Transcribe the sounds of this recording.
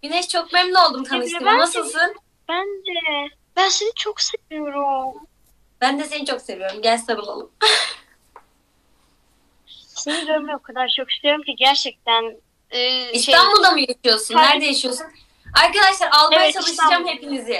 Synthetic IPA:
bineʃt͡ʃʰo̞k̚mɛmlʲio̞lˠd̪umt̪ʰanɯʃt̪ɯmnasɯlˠsɯn | b̥ænd̪ɛ | b̥ænsenit͡ʃʰokse̞vijo̞ɾum | b̥ænd̪ɛse̞nit͡ʃʰo̞kse̞vijo̞ɾumɟælʲsabɯlˠo̰lˠum | ssenvieɾmɛokʰad̪aɾt͡ʃʰo̞ki̥st̪ʰʲijo̞ɾumciɟæɾt͡ʃʰɛc̚t̪ʰænː | isʰanbulˠd̪amujaʃɯjo̞sunːæɾd̪ɛjaʃijo̞sun | aɾkad̪aʃlˠaɾalˠmajat͡ʃʰalˠɯʃd͡ʒamhe̞pinizɛ

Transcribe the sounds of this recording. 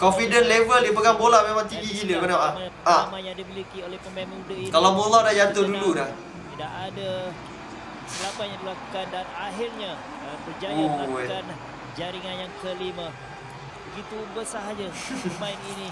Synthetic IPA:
kofidənlevəldipəɡaŋbolaʔmemãŋt̪iŋɡiɡiləkənaaməaamajaŋdimilikiolɛhpəmemudəikalamoladaʔd͡ʒat̪ʊduludah | idaʔada | səlapajaŋdilaku̥kandanaɦɪrɲa | əpəd͡ʒajakan | d͡ʒaɾiŋanjaŋkəlima | bəɡit̪ubəsaɦad͡ʒəmainini

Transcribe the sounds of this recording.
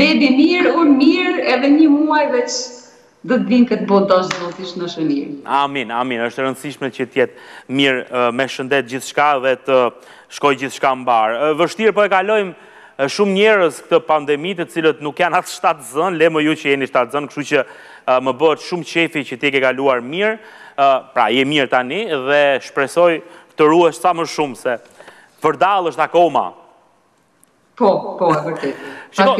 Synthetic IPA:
bɛbimiɾuɾmiɾɛðɛɲəmuajvɛt͡ʃ | d̪ɔt̪biŋkɛt̪bɔd̪ɔʃzɔt̪iʃnəʃəniɾaminaminəʃt̪ɛɾənd̪siʃmɛt͡ɕət̪jɛt̪̚miɾmɛʃənd̪ɛt̪̚d͡ʑiθʃkaɛðɛt̪ə | ʃkɔjd͡ʑiθʃkambaɾvəʃt̪iɾpɔɛkalɔjm | ʃumɲɛɾəsk̚t̪əpand̪ɛmit̪ət͡silət̪nukjanasʃt̪at̪zənlɛməjut͡ɕəjɛniʃt̪at̪zənkəʃt̪ut͡ɕə | məbəət̪ʃumt͡ʃɛfit͡ɕət̪iɛkɛkaluaɾmiɾ | pɾa̰jɛmiɾt̪aniðɛʃpɾɛsɔjt̪əɾuɛʃsaməʃumsɛ | vəɾd̪alˠəʃt̪akɔma̰ | pɔpɔəɾt̪ɛʃɔ

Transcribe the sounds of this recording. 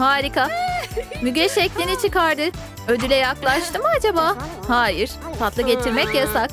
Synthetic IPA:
haːɾika | myɟɛʃɛclʲinit͡ʃʰɯkaɾd̪ɯ | ø̞d̪ylʲɛjaklˠaʃt̪ʰɯmad͡ʒabaːhaːjiɾ̥t̪ʰat̪lˠɯɟe̞t̪ʰiɾmɛcjasak

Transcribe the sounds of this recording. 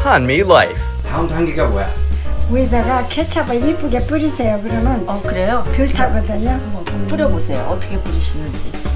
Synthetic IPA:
hãnmilaɪf | tʰãʊntʰaŋɡiɡawḛwed͡ʑaɡakʰet͡ɕʰabaip͈uɡep͈ɯɾisʰejokɯɾʌmʌnʌkɯɾejotɯɭtʰaɡɯd̪ɯɲo | p͈ɯɾjʌbosʰejo̰ʔʌtʰʌkʰepoɾiɕʰinːɯnd͡ʑi

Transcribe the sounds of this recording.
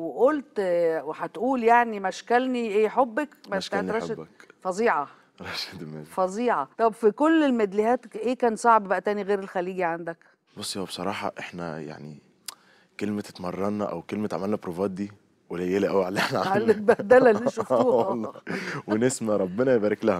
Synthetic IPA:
weʔolt̪weħæt̪ʔuːljaʕnimæʃkælniʔeːħobːækmæʃæɾˤɑdæfɑzˤiːʕɑ | ɾˤɑʃed̪mæ̰fɑzˤiːʕɑt̪ˤɑbfikolːelmed̪lihæːt̪ʔeːkæːnsˤɑʕbbæʔæt̪æːniɣeːɾelxæliːɡiʕand̪æk | bosˤːjæwæbe̥sˤɑɾˤɑːħɑ̰ʔeħnæ̰ja̰ʕnḭ | kelmæt̪et̪mɑrˤːɑnːɑʔæ̰wkelmæt̪ʕa̰mælnæpɾovæːt̪̚d̪iː | welæjelæʔæwaʕalːeħnæʕahælːet̪̚bæd̪ælællːiʃofuːhlˤːwenesmæɾˤɑbːenɑjebæːɾeklæhæ

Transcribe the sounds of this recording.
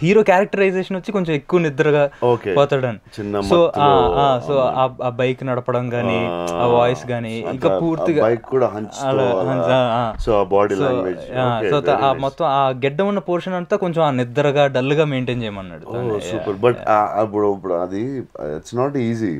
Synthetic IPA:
hiːɾoːkjaːɾɐk̚ʈɐɾɐjd͡ʒeːʂɐnʋɐt͡ʃːikoɲt͡ʃɐmekːuʋɐnid̪ːɐɾɐɡaːoːkepɔːt̪aːɽɐnit͡ʃinːɐsoaːaːsoːaːaːbɐjknɐɽɐpɐɽɐmɡaːniaːʋaːjsɡaːniiŋkaːpuːɾiɡaɐjkːkːuːɽaːɦɐɲt͡ʃɐlaɦɐɲaːaːsoːaːbaːɽiloːɡed͡ʒaːsoːaːmɔt̪ːɐmaːɡɛɖːɐmunːɐpoːɾʂɐnɐɳt̪oːkoɲt͡ʃɐmaːnid̪ːɐɾɐɡaːɖɐlːuɡaːme̞ːɳʈeːnt͡ʃɛːjɐmɐnːɐ̰ɽut̪osuːpɐɾbɐʈaɐpːuɽpuɽuɐ̰d̪iḭʈsnaːʈiːzḭ

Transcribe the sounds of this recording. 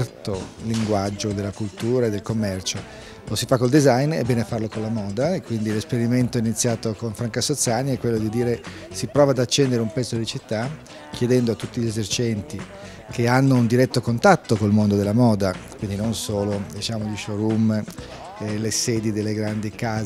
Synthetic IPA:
rt̪oliŋɡwad͡ʒːod̪elakult̪uːɾaed̪elkomːɛrt͡ʃo | losifakːold̪izajnḛbːɛːneafarlokonlamɔːd̪aekːwind̪ilespeɾiment̪oinit̪sːjaːt̪okonfɾaŋkasot̪sːaːniɛkːwelːod̪id̪iːɾe | sipɾɔːvad̪at͡ʃːɛnd̪eɾeumpɛt̪ːod̪it͡ʃit̪ːa | kʰjed̪ɛnd̪oat̪ːut̪ːiʎezert͡ʃɛnt̪i | kʰeanːound̪iɾɛt̪ːokont̪at̪ːokolmond̪od̪elamɔːd̪akwind̪inonsoːlod̪it͡ʃaːmoʎiʃoɾum | lesɛːd̪id̪elːeɡɾand̪ikaː

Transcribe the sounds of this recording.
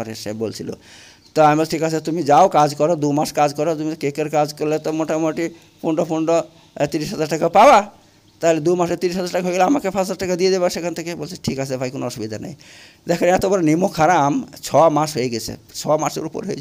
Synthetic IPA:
ɔɾeʃḛbo̰lt͡ʃʰilo̰ | t̪ɔamibɔlsʈʰikaet̪umid͡ʒaokad͡ʒkɔɾod̪umaʃkad͡ʒkɔɾot̪umit̪ɔkekəɾkad͡ʒkɔɾlet̪ɔmoʈamoʈi | pʰuɳɖɔpʰuɳɖɔ | t̪iɾisɦad͡ʒaɾʈakapaba | t̪aɦeled̪umaʃet̪iɾisɦad͡zaɾʈakaɦojɡɛlaamakepʰazaɾʈakad̪ied̪ebasekʰɔnt̪ʰekebolt͡ʃʰiʈʰikasʰebʱajkonoɔsubid̪ʱana̰j | d̪ɛkʰanɛt̪obɔɾenimokʰaɾamt͡ʃʰɔmaʃɦoeɡɛt͡ʃʰḛt͡ʃʰɔmasḛɾupɔ̰ɾɦojʰ

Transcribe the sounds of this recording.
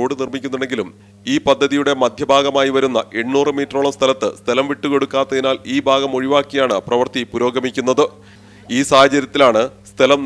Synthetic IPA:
oːɽɨnirmikʲːunːuɳe̞ŋɡilum | iːpɐd̪ʱːɐðijuɽe̞mɐd̪ʱjɐbʱaːɡɐmaːjiʋɐɾunːɐʔe̞ɳːuːrɨmiːtroːɭɐmst̪ʰɐlɐt̪ːɨst̪ʰɐlɐmʋiʈːuke̞ɽukːaːt̪ːɐðinaːliːbʱaːɡɐmo̞ɻiʋaːkːijaːɳɨprɐʋɐrt̪ipuɾo̞ːɡʱɐmikʲːunːɐðɨ | iːsaːhɐt͡ɕɐɾjɐt̪ːilaːɳɨst̪ʰɐlɐm

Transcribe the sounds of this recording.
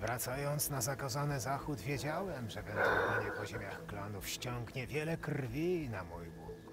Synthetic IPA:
vɾat̪sajɔnt̪snazakazanɘzaxud̪vʲjed͡ʑawɛmʐɛvɛnt̪ualɲɛpɔʑemʲjaxklanufɕt͡ɕɔŋɡɲɛvʲjɛlɛkrvʲinamujbuk

